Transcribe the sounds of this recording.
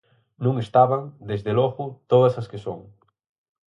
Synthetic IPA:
nũŋest̪aβaŋd̪ezðeloɣʊt̪oðɐsaskesoŋ

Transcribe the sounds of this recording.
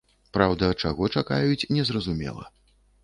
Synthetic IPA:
pɾawd̪ɐt͡ʂaɣɔt͡ʂaka̰jut͡sʲnʲɛzrɐzumʲɛ̰lˠɐ̰

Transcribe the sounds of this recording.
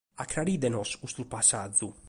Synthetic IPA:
akɾaɾid̪ɛnɔsust̪upasad̪zu

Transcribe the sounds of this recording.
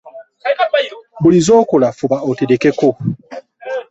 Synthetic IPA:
bolizokolafubaotedekɛko

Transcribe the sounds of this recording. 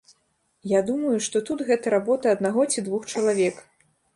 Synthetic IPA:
jad̪umɐjuʂt̪ɔt̪ut̪ɣɛt̪ɐɾabɔt̪ɐːd̪naɣɔt͡sʲid̪vuxt͡ʂɐlˠavʲɛk

